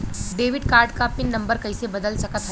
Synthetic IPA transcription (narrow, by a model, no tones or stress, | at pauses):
ɖeʋiɖkaɾɖkapinːɐmbəɾkəjsebəd̪əlsəkət̪ɦ